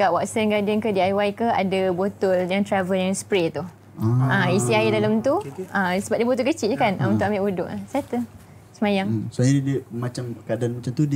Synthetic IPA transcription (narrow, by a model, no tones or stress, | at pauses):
kaʔwaksənɡadənkədiajwajkəa̰dabot̪ʊljaŋt̪ɾavəljaŋspɾet̪u | aisiaidalamt̪uəsəbap̚diəbot̪ʊlkət͡ʃiʔd͡ʒəkanaunt̪ʊʔamɪʔudʊʔlasat̪ə | səmajaŋsajadidimat͡ʃamkadanmat͡ʃamt̪ud